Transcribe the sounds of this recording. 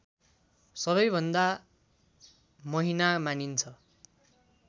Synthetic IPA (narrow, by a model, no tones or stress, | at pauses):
sʌβʌjbʱʌnd̪a | mʌɦinamanint͡sʰʌ